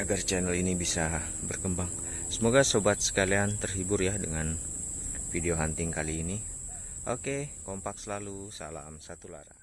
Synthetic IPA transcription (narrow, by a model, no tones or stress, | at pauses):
aɡart͡ʃɛnəlinibisa | bərkəmbaŋ | səmoɡasobat̪̚sə̥kaliant̪ərɦibʊrjadəŋan | fideoɦant̪ɪŋkaliːni | ʔokekompak̚səlalusa̰la̰msat̪ula̰ɾa̰